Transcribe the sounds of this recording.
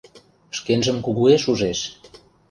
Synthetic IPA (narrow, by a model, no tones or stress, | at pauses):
əʃkenʒəmkuɣueʃuʒeʃ